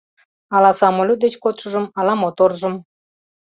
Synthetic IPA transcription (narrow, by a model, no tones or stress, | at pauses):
ɑlɑsɑmolʲud̪et͡ɕkot̪ʃə̆ʒəmɑlɑmot̪orʒə̆m